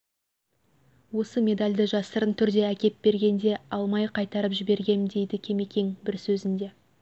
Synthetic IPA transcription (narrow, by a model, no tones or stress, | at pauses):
wo̞səmʲe̞d̪alʲd̪ɪʒɑsəɾənt̪ʰʏɾd̪e̞ækʲe̞t̪̚be̞ɾɡʲe̞nd̪e̞ɑlˠmɑjqʰɑjt̪ɑɾəpʒɪbe̞ɾɡʲe̞md̪e̞jd̪ɪkʲʰe̞me̞kʲe̞ŋbɪɾsɵzɪnd̪e̞